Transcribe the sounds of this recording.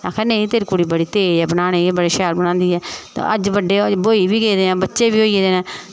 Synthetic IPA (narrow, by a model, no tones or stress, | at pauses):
ãːkʰɛːnẽĩːt̪eːɾiːkʊɽiːbəɽiːt̪eːd͡ʒɛːbənaːɽ̃eːeːbəɽeːʃɛːlbəɽãːnd̪iːɛːt̪ã̰ʔəd͡ʒbəɖːeːboːiːbiːɡeːd̪eːnɛ̃ːbətːʃeːbiːɦoːied̪eːnɛ̃ː